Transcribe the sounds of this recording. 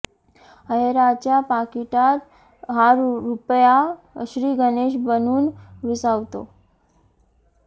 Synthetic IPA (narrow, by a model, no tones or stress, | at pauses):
əɦeɾat͡ɕjapakiʈat̪ | ɦaɾɾupja | ɕɾiːɡəneɕbənuːnʋisaʋt̪o̰